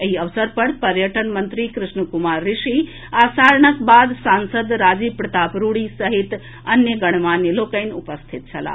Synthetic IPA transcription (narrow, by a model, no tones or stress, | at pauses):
eɦiəʋsəɾpəɾpəɾjəʈənmənt̪ɾikɾusnukumaɾːiʃi | asaɾəɳəkbad̪sansəd̪ɾad͡ʒipɾɐt̪apɾuɽisəɦit̪ | ənjəɡəɽ̃manjelokəjnupəst̪ʰit̪̚t͡ʃʰɐla̰